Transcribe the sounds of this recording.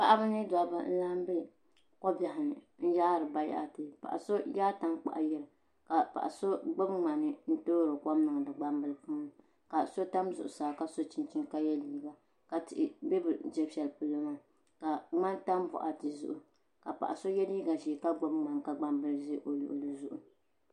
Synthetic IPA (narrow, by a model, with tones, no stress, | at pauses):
pa̰˦ʔa˦bɨ˦nɨ˦da˨˦ba̰˦n̩˦la˦m˦bɛ˦ | kɔ˦bja˨ɦɪ˨nɨ˨ | n̩˦ja˦ɾɨ˨ba˦ja̰˦˨tɨ˨pa̰˨ʔa̰˨so˦jaː˦ta˦ŋk͡pa̰˨ʔa˨jɛ˦ɾɨ˨ | ka˨pa̰˨ʔa˨so˦ɡ͡bo˦bŋ͡ma˨nɨ˦n̩˦toː˦ɾɨ˨ka˦m˦nɨ˨ŋ˨dɨ˨ɡ͡ba˦mbɨ˦lɨ˦pu˦n˨˦ | ka˨so˦ta˦mzʊ̰˨ʔʊ˨saː˨ka˦so˦t͡ʃi˦nt͡ʃi˦nka˦jɛ˦liː˦ɡa˨ | ka˨tɪ˨ʔbɛ˦bɨ˨d͡ʒɛ˦bɛ˨lpɨ˨lo˦ma˦ | ka˨ŋ͡ma˦nta˦m˦bɔ̰˨ʔa̰˨tɨ˨zʊ̰˦ʔʊ˨ | ka˨pa̰˨ʔa˨so˦jɛ˦li˦ɡa˨ʒiː˨ka˦ɡ͡bo˦bŋ͡ma˨nka˦ɡ͡ba˦mbɨ˦lʒe˦ʔo˨lṵ˨ʔʊ˨lɨ˨zʊ˨ʔʊ˨